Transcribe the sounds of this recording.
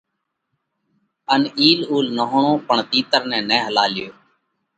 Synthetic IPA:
əniːluːlnəɦʊɳõːpəɳt̪iːt̪əɾnɛ̃ːnɛ̃ːɦəlaːlɪjoː

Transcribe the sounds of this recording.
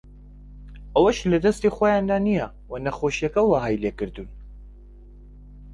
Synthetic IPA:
ʔɐwɐʃlɐd̪ɐst̪ixojand̪aːnijɐ | wɐnɐxoʃijɐkɐwaːɦajlekɨɾd̪un

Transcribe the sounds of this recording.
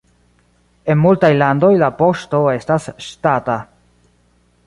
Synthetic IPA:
e̞nmultajlando̞jlapo̞ʃto̞e̞stasʃtata

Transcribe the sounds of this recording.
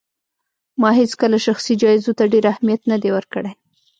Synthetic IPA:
mɑɦet͡skəlaʃaxsid͡ʒɑɪzot̪aɖeɾahmijat̪nad̪ewəɾkəɽe

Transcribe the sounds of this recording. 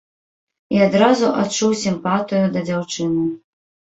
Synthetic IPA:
iad̪ɾazuʔat̪t͡ʂːuwsʲimpat̪ɨjud̪ɐd͡zʲawt͡ʂɨnɨ

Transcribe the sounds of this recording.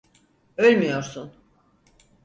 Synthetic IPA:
ølʲmijo̞ɾsun

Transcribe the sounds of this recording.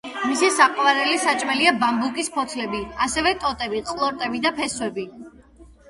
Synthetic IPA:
misisaqʼvaɾɛlisat͡ʃʼmɛliabambukʼispʰɔt̪sʰlɛbiasɛvɛt̪ʼɔt̪ʼɛbiqʼlˠɔɾt̪ʼɛbid̪apʰɛswɛbi

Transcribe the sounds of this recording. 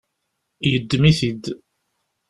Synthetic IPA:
jəd̪ːmiθid̪

